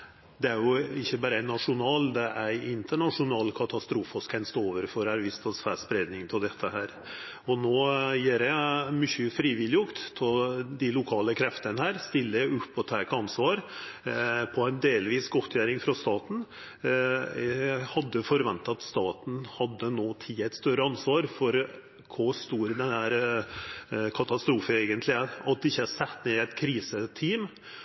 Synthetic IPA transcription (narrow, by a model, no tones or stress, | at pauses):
d̪ɛæɾjʊɪçːəbæːɾəæɪnɑʂʊnɑːld̪ɛʔæɪɪnt̪ʰəɳɑʂʊnɑːlkʰɑt̪ɑst̪ɾuːfɔskʰɛnst̪oːʋəɾfɔɾæɾʋɪst̪ʰɑsfæːspɾeːd̪nɪŋt̪ʰɪld̪ɛt̪ʰːəhæːɾ | ɔnoːjeːɾɛmʏçːəfɾiːʋɪlːɪjʊkt̪ʰːɪld̪ɪlʊkʰɑːləkʰɾɛft̪ənəhæːɾst̪ɪlːəʉpːɔt̪ʰɑːkɑnsʋɑːɾ | pʰɔæɪnd̪eːlʋiːsɡɔt̪ʰːjæːɾɪŋfɾɑst̪ɑːt̪n̩ | hɑd̪ːəfɔɾʋɛnt̪ɑt̪st̪ɑːt̪n̩hɑd̪ːənoːt̪ʰiːɛɪt̪st̪œɾəɑnsʋɑːɾfɔɾ | kʰɔst̪uːɾd̪ɛnhæːɾ | kʰɑt̪ɑst̪ɾuːfəeːɡənt̪lɪæɑt̪̚d̪ɪɪçːəæsɛt̪ːneːɛɪt̪kʰɾiːsət̪ʰiːm